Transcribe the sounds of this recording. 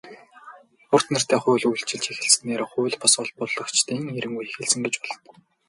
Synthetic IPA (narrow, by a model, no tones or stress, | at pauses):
ʊr̥t̪nə̆r̥t̪ʰæːχʊːɮujɬt͡ɕɪ̆ɮt͡ɕʰexɘ̆ɮsɘ̆neːɾoχʊːɮpʰɔsɔɮpɔɮɞ̆kt͡ɕt̪iːŋeɾɘ̆ŋujexɘ̆ɮsɘ̆ŋɡet͡ɕpɔɮ̥ɞ̆n